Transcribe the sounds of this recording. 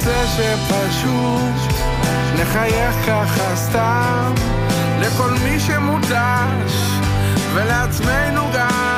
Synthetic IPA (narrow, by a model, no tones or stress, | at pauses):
zeʃepaʃ | u | t̪ | neχajeχkaχast̪a | m | leko̞lmiʃemud̪a | ʃ | veleat͡smejnuɡa